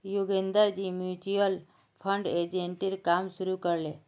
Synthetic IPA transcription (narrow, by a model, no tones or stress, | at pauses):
juɡend̪əɾd͡ʒimjut͡ʃiəl | pʰəɳɖed͡ʒeɳʈiɾkamʃuɾukəɾle